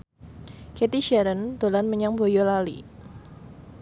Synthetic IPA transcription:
kɛt̪iʃɛɾənd̪̥olanməɲaŋbojolalḭ

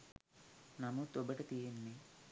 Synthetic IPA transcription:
namut̪obəʈət̪ijenːe

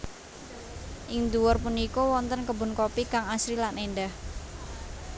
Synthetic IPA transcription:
ʔɪŋd̪uwɔrpunikɔwɔnt̪ənkəbʊ̤nkopikaŋasɾilanenɖah

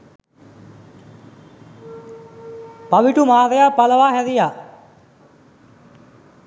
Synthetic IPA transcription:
paʋiʈumaːd̪əjapːaləʋaːhæd̪ija

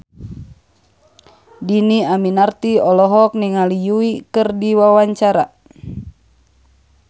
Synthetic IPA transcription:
diniaminart̪iɔlɔɦɔk̚niŋalijuikɨrdiwawaɲt͡ʃaɾa

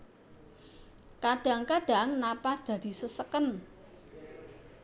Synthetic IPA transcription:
kad̪̥a̤ŋkad̪̥a̤ŋnapasd̪̥ä̤d̪̥i̤səsəkən

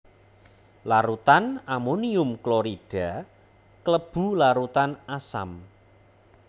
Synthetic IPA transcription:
laɾut̪anamoniʊmkloɾiɖ̥a | kləb̥ṳlaɾut̪anasa̰m

